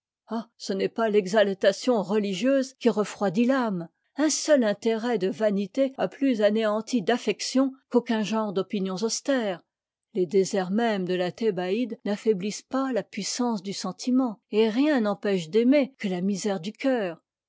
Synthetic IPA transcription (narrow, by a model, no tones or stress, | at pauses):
asənɛpalɛɡzalt̪asjɔ̃ʁəliʒjøzkʲiʁəfχwad̪ilam | ɛ̃sœlɛ̃t̪eʁɛd̪əvanit̪ea̰plyzaneɑ̃t̪id̪afɛksjɔ̃kokʲɛ̃ʒɑ̃ʁd̪ɔpinjɔ̃zɔst̪ɛːʁ | led̪ezɛʁmɛmd̪əlat̪ebaid̪nafɛblispalapɥisɑ̃sd̪ysɑ̃t̪ʰimɑ̃eʁjɛ̃nɑ̃pɛʃd̪emekəlamizɛʁd̪ykʲœːʁ